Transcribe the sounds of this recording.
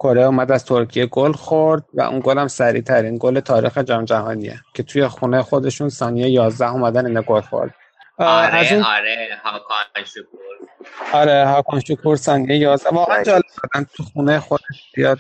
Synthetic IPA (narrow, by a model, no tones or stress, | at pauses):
kʰo̞ɾeuːmæd̪æz̥t̪ʰo̞ɾcʰije̞ɡolxoɾd̪̥̚væ̰ʔṵnɡolæmsæɾḭːt̪ʰæɾinɡole̞t̪ʰɒːɾḭːxed͡ʒæmd͡ʒæhɒːniḛcʰe̞t̪ʰuje̞xuːnejexo̞d̪e̞ʃunsɒːnijejejɒːzd̪æhuːmæd̪æniːnɒɡolxo̰ɾd̪̥ | æzunɾehɒkʰɑnʃokʰuɾɒɾeɦɒːkʰɑnʃokʰuɾsɒːnijejejɒːzd̪ævɒːɣænd͡ʒɒːle̞b̚d̪ɒd̪ænt̪ʰuxunejexod̪eʃzijɒːd̪